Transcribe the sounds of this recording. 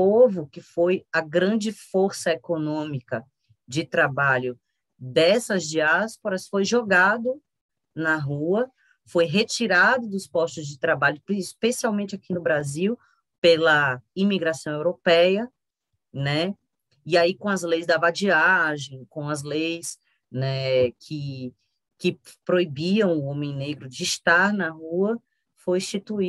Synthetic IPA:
ovʊkɪfojɐɡɾɐ̃d͡ʒɪfoɾsɐekonõmikɐ | d͡ʒɪt̪ɾabaʎʊ | d̪ɛsɐzd͡ʒiaspoɾɐsfojʒoɡad̪ʊ | nɐɦuɐ | fojɦet͡ʃiɾad̪ʊd̪ʊspɔst̪ʊzd͡ʒɪt̪ɾabaʎʊispesiawmẽnt͡ʃɪakinʊbɾaziw | pelɐimiɡɾasɐ̃w̃ewɾopɛjɐ | nɛ | iaikõɐzlejzd̪ɐvad͡ʒiaʒẽj̃kõɐzlejs | nɛkʰɪ | kɪpɾoibiɐ̃w̃ʊõmẽj̃neɡɾʊd͡ʒɪːʃt̪aɾnɐɦuɐ | fojĩʃt͡ʃit̪ui

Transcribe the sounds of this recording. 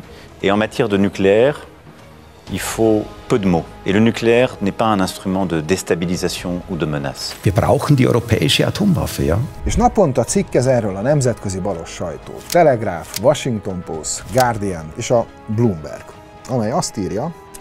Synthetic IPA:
eɑ̃mat̪jɛʁd̪ənykleɛʁ | ilfopød̪əmoḛlənykleɛʁnɛpaɛ̃nɛ̃st̪χymɑ̃d̪əd̪est̪abilizasjɔ̃ud̪əməna̰sviːɐbʁa̰ʊxn̩d̪iʔɔ̰ʏʁopʰɛ̰ːɪʃəa̰t̪ʰoːmva̰fə̰ja̰ːeːʃnɒpo̞nt̪ɒt̪sikːɛzɛːrøːlɒnɛmzɛt̪køzibɒlo̞ʃːɒjt̪o̰ːt̪ːɛlɛɡraːfʋɒʃiŋkt̪o̞mpo̰st̪ɡaːrd̪iɛneːʃɒ | blumbɛ̰rɡ̥ | ɒmɛjɒst̪iːrjɒ

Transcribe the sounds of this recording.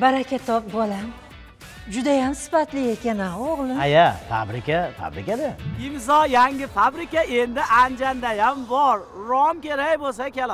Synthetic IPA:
baɾakʲʰat̪ʰɒp̚bɒlam | d͡ʒʊd̪ajamsɪ̥fat̪lɪe̞kʲanaoʁlˠɪajafa̰bɾɪkʲafa̰bɾɪkʲad̪aɪmzɒjaŋɡʲɪfabɾɪkʲae̞nd̪ɪʔand͡ʒand̪ajambɒɾɾɒmkʲeɾakʲbolˠs̬akʲʰel

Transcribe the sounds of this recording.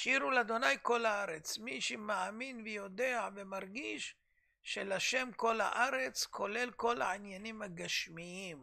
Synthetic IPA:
ʃiɾulad̪o̞najko̞laaʁet͡smiʃemaaminvejo̞d̪e̞avemaʁɡiʃː | elaʃe̞mko̞la̰ʔaʁe̞t͡skʰo̞le̞lko̞la̰ʕinjanimhaɡaʃmiim

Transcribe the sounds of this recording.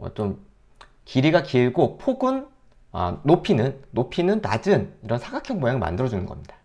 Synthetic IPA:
ʌ̰t͡ɕom | kiɾiɡakiɭɡopʰoɡɯn | ʌ̰ːopʰinɯnːopʰinɯntad͡ʑɯniɾʌnsʰaɡakʰjʌŋmojaŋɯɭma̰ndɯɾʌd͡ʑunɯnɡʌ̰mɲid̥ḁ

